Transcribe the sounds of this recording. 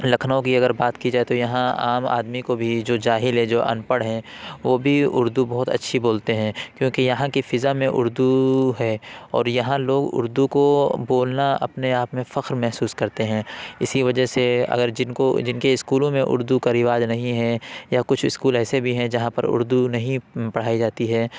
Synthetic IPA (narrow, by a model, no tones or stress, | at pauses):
lɐkʰnõkiɐɡəɾbaːt̪kid͡ʒaːet̪ojɐɦãa̰ːma̰ːd̪mikobʱid͡ʒoːd͡ʒaːɦɪlɦɛd͡ʒoːʔɐ̰npəɽɦɛ̃ʋoːbʱiʊɾd̪ubɐɦʊt̪ɐ̰tːʃʰiboːlt̪eɦɛ̃ːkjõːkijɐɦãkifɪzamẽʔʊ̰ɾd̪uɦɛːɔ̰ːɾjɐɦãloːɡʊ̰ɾd̪ukoboːlnaɐ̰pneaːpmẽfɐxɾmɛɦsuːskɐɾt̪eɦɛ̃ːɪsiʋɐd͡ʒəɦseɐ̰ɡəɾd͡ʒɪnkod͡ʒɪnkeɪskuːlõmẽʔʊ̰ɾd̪ukaɾɪʋaːd͡ʒnɐɦĩɦɛjakʊt͡ʃʰɪskuːlɛːsebʱiɦɛ̃d͡ʒɐɦãpɐɾʊ̰ɾd̪unɐɦĩpɐɽ̤aːid͡ʒaːt̪iɦɛː